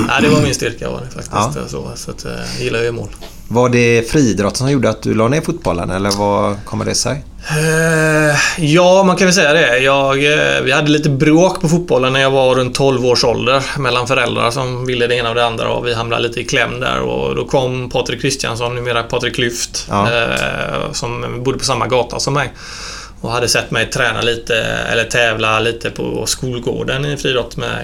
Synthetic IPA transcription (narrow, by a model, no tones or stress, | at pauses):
ʔæ̰ɪd̪ɛvaɾmɪnst̪ʏɾka̰va̰d̪ɛfa̰k̚t̪ɪssɔ̰sat̪jɪlːajajʏmo̰ːl | vaɖɛfɾiːd̪ɾɔt̪ːssɔmjuːɖəat̪̚d̪ɵlɑːneːɾfʊt̪bɔlːə̰nɛlːəɾvakʰɔmːə̰ɖɛsɛ̰j | jɑːmankʰanvɛlsɛjːad̪ɛjɑːɡvɪhad̪ːəliːt̪əbɾoːkpʰɔfʊt̪̚bɔlːənːæɾjɑːɡvaɾɵnt̪ʰːɔlvoːʂɔld̪əɾmɛlːanfœɾɛld̪ɾa̰ɾʂɔmvɪlːəd̪ɛeːnavd̪ɛand̪ɾa̰ɔ̰vɪɦamla̰liːt̪əɪkʰlɛmːd̪æ̰ɾɔ̰d̪ɔkʰɔmːpʰɑːt̪ɾɪkʰːɾɪst̪ɪja̰nsɔnːʉ̟ːmeːɾapʰɑːt̪ɾɪkʰːlʏft̪ | sɔmbʊd̪ːəpʰɔsamːaɡɑːt̪ʰa̰sɔmːɛj | ɔɦad̪ːəsɛt̪ːmɛjt̪ʰɾɛːna̰liːt̪ə̰ɛ̰lːət̪ʰɛːvlaliːt̪ʰəpʰɔ̰skuːlɡo̰ːɖənɪfɾiːd̪ɔt̪ːmɛ̰